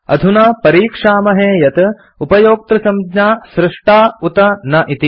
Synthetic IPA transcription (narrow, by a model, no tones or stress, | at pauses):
ɐ̰d̪ʱunaːpɐɾiːkʂaːmɐɦeːjɐt̪ɐ | upɐjoːk̚t̪ɾɐsɐmdɲaːsɾɪʂʈaːut̪ɐnɐʔit̪i